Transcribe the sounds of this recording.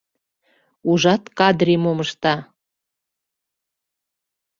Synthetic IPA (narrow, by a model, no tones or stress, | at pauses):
uʒɑt̪kɑd̪ɾimoməʃt̪ɑ